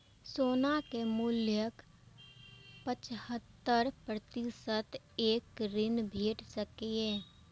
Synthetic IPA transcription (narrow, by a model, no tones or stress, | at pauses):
soːnakemʊljək | pət͡ʃhət̪ːəɾpɾət̪ɪsət̪ | eːkɾɪnbʱeːʈsəkieː